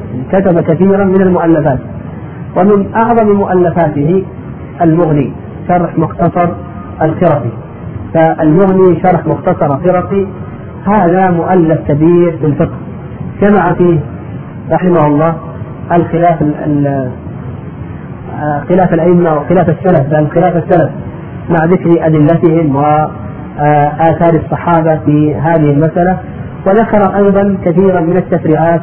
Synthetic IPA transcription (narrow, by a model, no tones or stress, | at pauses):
kat̪abakaθiːɾamɪnalmʊʔalːafaːt̪ | wʔamɪnʔɑʕðˤɑmmʊʔalːafaːt̪ɪhɪ | ʔalmʊɣni | ʃɑɾˤħmʊxt̪ɑsˤɑɾˤ | ʔalxɪɾˤɑfi | faʔalmʊɣniʃɑɾˤħmʊxt̪ɑsˤɑɾˤalxɪɾˤɑfi | haːðamʊʔalːafkabiːɾbɪlfɪqh | d͡ʒamaʕafiːh | ɾˤɑħɪmahʊlˤːɑː | ʔalxɪlaːfa | xɪlaːfalʔaʔɪmːawɪxɪlaːfasːalafbalxɪlaːfasːalaf | maʕðɪkɾʔad̪ɪlːat̪ɪhɪmwɪ | ʔaːθɑːɾɑsˤːɑħɑːbafiɦaːðɪhɪlmasʔala | wɪðakɑɾˤɑʔɑjðˤɑnkaθiːɾanmɪnat̪ːafɾiːʕaːt̪